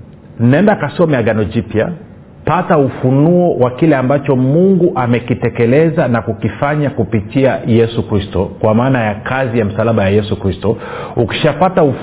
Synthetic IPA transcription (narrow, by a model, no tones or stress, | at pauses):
n̩naɛndakasɔmɛaɡanɔd͡ʒipja̰ | pataufunuɔwakilɛambat͡ʃɔmuŋɡuʔamɛkitɛkɛlɛzanakukifaɲakupitiajɛsukɾistɔkwamaːnajakʰazijam̩salaɓajajɛsukɾistɔuki̥ʃapatauf